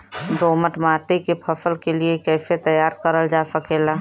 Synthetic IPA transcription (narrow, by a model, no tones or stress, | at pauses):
d̪oːməʈmaːt̪ekepʰɐfəlkeliekɛːset̪əjaːɾkəɾəld͡ʒaːsəkeːlaː